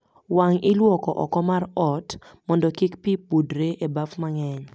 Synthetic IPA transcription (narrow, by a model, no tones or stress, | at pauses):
waŋɪlwɔkɔʔɔ̰kɔmarɔtmɔndɔkikpipudɾeʔebafmaŋɛɲ